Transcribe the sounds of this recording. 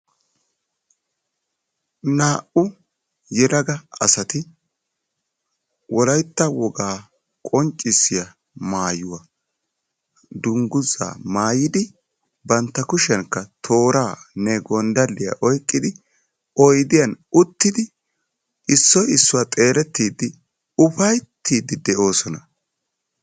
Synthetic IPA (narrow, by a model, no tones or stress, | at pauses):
naːʔʊ | jɛɾɐɡɐɐ̰sɐt̪ɪ | wɔlɐjt̪ːɐwɔɡaː | kʼɔnt͡ʃʼːɪsɪjɐ | maːjʊwɐ | d̪ʊŋɡʊza̰ːmaːjɪd̪ɪ | bɐnt̪ːɐkʊʃɛŋkːɐt̪ʰo̞ːɾaːnɛɡɔnd̪ɐlːɪja̰ʔɔjkʼːɪd̪ɪ | ɔjd̪ɪjɐnʊt̪ːɪd̪ɪ | ʔɪsːɔjɪsːʊwaːt̪ʼe̞ːɾɛt̪ːiːd̪ːɪ | ʊfɐjt̪ːiːd̪ɪd̪ɛʔo̞ːsɔnɐ